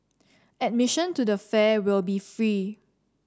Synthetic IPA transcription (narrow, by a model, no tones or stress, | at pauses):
ɛt̚mɪʃə̃ntudəfɛwɪlbifɹi